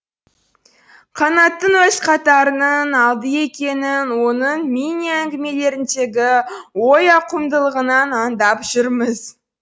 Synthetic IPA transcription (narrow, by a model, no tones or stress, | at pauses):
qʰɑnɑt̪ːəɴwɵzqʰɑt̪ɑɾənənɑlˠd̪əe̞kʲe̞nɪnwo̞nəɴminijaæŋɡʲɪme̞le̞ɾɪnʃe̞ɡʲɪwo̞jɑqʰʊmd̪əlˠəʁənɑnɑnd̪ɑpʒ̥ʏɾməz